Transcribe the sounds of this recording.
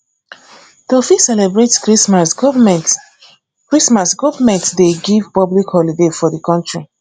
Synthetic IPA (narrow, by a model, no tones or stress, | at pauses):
dɔfisːɛlɛbɹetskɹismasɡ | kɹismasɡɔvamɛ̃ntsdeɡivpɔblikhɔlidefɔðəkɔ̃ntɹi